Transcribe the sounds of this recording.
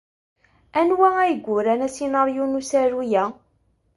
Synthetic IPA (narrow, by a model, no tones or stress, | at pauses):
ænwææjəɡʷːʊɾænæsinɑɾjunusæɾujæ